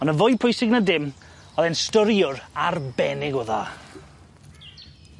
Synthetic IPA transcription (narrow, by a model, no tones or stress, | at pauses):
ɔnəvʊjpʰʊjsɪɡnadɪm | ɔðɛnstɔɾjʊɾarbɛnɪɡɔða̰